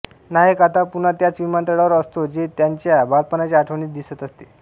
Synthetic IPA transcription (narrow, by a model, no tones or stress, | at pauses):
naɦekat̪apunat̪jat͡sʋimant̪əɽaʋəɾəst̪od͡ʑet̪jaɲt͡ɕjabalpənat͡ɕeaʈʰəʋɳiːtd̪isət̪əst̪e